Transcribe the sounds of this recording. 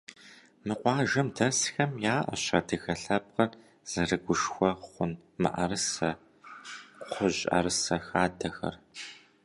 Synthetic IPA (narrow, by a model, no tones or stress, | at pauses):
mɨqʷɑːʒɐmdʰɐsxɐmjaːʔɐ̰ɕɐ̰dʰɨxɐɬɐb̚qɐr | z̥ɐrɨɡʷʊʂxʷɔχʷʊn | mɨ̰ʔɐrɨsɐ | qʷʰʊʑʼɐ̰ɾɨsɐxaːdɐxɐ̰r